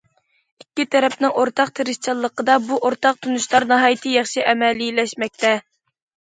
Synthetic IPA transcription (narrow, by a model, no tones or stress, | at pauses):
ikʲːit̪ʰɛɾɛpnɪŋoɾt̪ʰɑqt̪ʰeɾɪʃt͡ʃʰɑlˠːəqəd̪ɑbuʔoɾt̪ɑq̚t̪ʰunuʃlˠɑɾnɑɦɑːjt̪ʰɨjɑχʃiʔɛmɛlilɛʃmɛk̚ʲt̪ɛ